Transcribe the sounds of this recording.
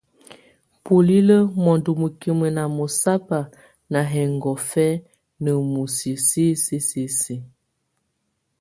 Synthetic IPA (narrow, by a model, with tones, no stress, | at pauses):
po˨li˦lə˦mɔ˨ndu˨mu˨ki˦mə˨na˨mo˨sa˦pa˨ | na˨ɦɛ˨ŋɡɔ˨fɛ˦ | nə˨mu˨si˨si˦si˦si˦si˦